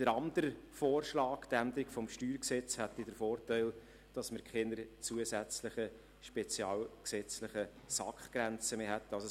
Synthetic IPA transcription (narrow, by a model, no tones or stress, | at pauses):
d̥əɾɑnd̪əɾəfoːɾʃlɑːkd̪̥æmd̪ɾikfɔmʃtyːɾksɛt͡shɛt̪ːidəɾfoːɾtaɪl | d̥ɑsməkʰenəɾt͡suəsæt͡sləχə | ʃpɛt͡sjɑːlksɛt͡sləχə | sɑ̰kχɡ̥ɾɛnt͡səmeːɦɛt̪ːɑlso